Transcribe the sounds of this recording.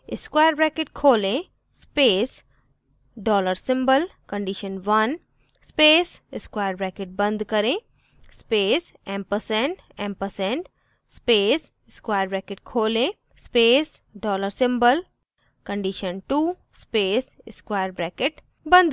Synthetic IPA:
ɪskwaːjəɾbɾɛːkɪʈkʰoːlẽ | speːs | ɖɔːləɾsɪ̃mbəlkə̃ɳɖiʃənʋɐn | speːsɪskwaːjəɾbɾɛːkeʈ̚bɐ̃nd̪kəɾẽ | speːsɛ̃mpəɾsɛ̃ɳʈ | ɛ̃ːmpəɾsɛ̃ɳʈ | speːs | ɪskwaːjəɾbɾɛːkeʈ̚kʰoːlẽ | speːsɖɔːləɾsɪ̃mbəl | kə̃ɳɖiʃənʈuː | speːsɪskwaːjəɾbɾɛːkeʈ | bə̃nd̪

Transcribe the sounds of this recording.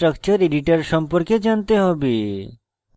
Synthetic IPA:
ʈɾək̚t͡ɕəɾeɖiʈəɾʃɔmpoɾked͡ʑant̪eɦɔbi

